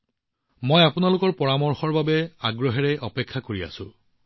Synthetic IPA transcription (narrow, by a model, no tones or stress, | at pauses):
mojapʊnalʊkɔɹpɔɹamɔɹxɔɹbabɛaɡɹɔɦɛɹɛʔɔpekʰːakoɹia̰sʊ̰̃